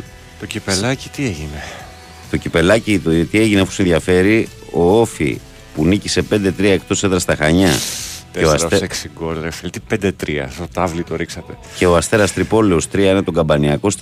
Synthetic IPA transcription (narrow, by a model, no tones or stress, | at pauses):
t̪ocipelɐci̥t̪ieʝine | t̪o̞cipe̞lɐcit̪ot̪ie̞ʝinefosenðʝɐfe̞ɾi | o̞o̞fḭ | punicise̞pe̞nd̪et̪ɾiɐe̞kt̪o̞seðɾɐst̪ɐxɐɲɐc̪eoɐsseksiɡoɾðɾefelt̪ipnd̪et̪ɾiɐ̰sot̪ɐvlit̪o̞ɾiksɐt̪e̞ | ce̞oɐst̪e̞ɾɐst̪ɾipo̞leo̞st̪ɾiɐine̞t̪o̞ɡɐmbɐniɐko̞s